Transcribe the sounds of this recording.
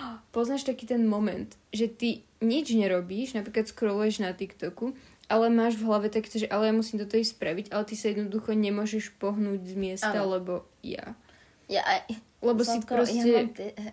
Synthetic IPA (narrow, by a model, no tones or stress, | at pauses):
pɔznaːʃt̪akiːt̪ɛnmɔmɛnt̪ʒɛt̪i | ɲid͡ʒɲɛɾɔbiːʒnapɾiːklat̪skɾɔlujɛʒnat̪ikt̪ɔkuʔalɛmaːʒvɦlaʋɛt̪akɛːt̪ɔʒɛʔalɛjamusiːmt̪ɔt̪ɔispɾaʋiɟalɛt̪isajɛd̪nɔd̪uxɔɲɛmʊɔʒɛʃpɔɦnuːɟzmɪɛst̪alɛbɔ | ja̰ | lɛbɔssipɾɔscɛ